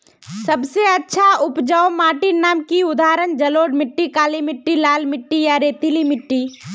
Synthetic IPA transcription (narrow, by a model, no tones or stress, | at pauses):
səbseɐtːʃʰaʊpd͡ʒaomaːʈinːaːmkiʊd̪aːɾənd͡ʒəloːɖmɪʈːikaːlimɪʈːilaːlmɪʈːijaɾeːt̪ilimɪʈːi